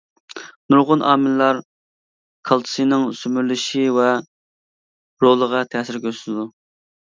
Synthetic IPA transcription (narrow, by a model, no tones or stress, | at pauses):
nuɾʁʊnʔɑ̰ːmɪllˠɑɾ | kʰɑlˠt̪ʰɨ̥sɨnɪŋsymyɾlyʃivɛ | ɾolˠəʁɑt̪ʰɛːsɪɾkʲʰøsnd̪u